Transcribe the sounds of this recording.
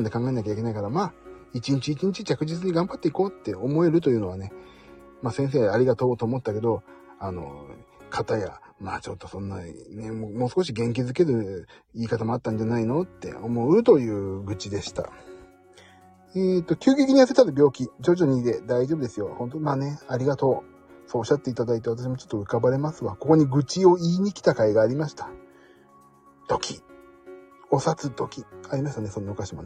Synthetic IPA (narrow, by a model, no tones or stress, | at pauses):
nd̪e̞kãŋɡae̞nakʲaik̬ʲe̞naikaɾamaːit͡ɕĩɲ̟t͡ɕiːt͡ɕĩɲ̟t͡ɕit͡ɕakɯ̟ʑit͡sɨɲ̟iɡãmbat̪ːeiko̞ːt̪ːe̞o̞mo̞e̞ɾɯ̟t̪̬o̞jɯ̟ːno̞βane̞ | maːsẽ̞ɰ̃s̬e̞ːaɾʲiɡat̪o̞ːt̪o̞ːmo̞t̪ːake̞d̪o̞ | ano̞̰kʰat̪aja̰ | ma̰ːt͡ɕo̞t̪ːo̞sõ̞nːane̞momo̞ːsɨ̥ko̞ɕ̬iɡẽ̞ŋk̬ʲizɨke̞ɾɯ̟iːkat̪amo̞at̪ːãɲ̟d͡ʑanaino̞t̪ːe̞̰o̞mo̞ɯ̟t̪o̞jɯ̟ːɡɯ̟t͡ɕid̪e̞ɕi̥t̪a̰ | et̪ːo̞kʲɨ̟ːɡʲekʲiɲ̟ijaset̪ad̪obʲo̞ːkʲid͡ʑo̞ʑoɲ̟id̪e̞d̪aiʑo̞bɯd̪e̞sɨjo̞hõ̞nt̪omaːne̞aɾʲiɡat̪o̞ː | soːɕat̪ːeit̪ad̪ait̪e̞at̪aɕ̬imo̞t͡ɕo̥t̪ːoɯ̟kabaɾe̞masɨβako̞ko̞ɲ̟iɡɯ̟t͡ɕio̞iːɲ̟ikʲi̥t̪akaiɡaːɾʲimaɕi̥t̪ḁ | t̪o̞kʲʰi̥ | o̞sat͡sɨt̪o̞kʲiaɾʲimaɕi̥t̪ane̞so̞nːaokaɕimon